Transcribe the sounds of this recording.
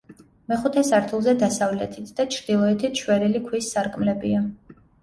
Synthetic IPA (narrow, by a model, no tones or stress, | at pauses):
mɛχut̪ʰɛsaɾt̪ʰulˠzɛd̪asavlɛt̪ʰit̪ʰd̪at͡ʃʰɾd̪ilˠɔɛt̪ʰit̪ʰʃwɛɾilikʰwisːaɾkʼmlɛbḭa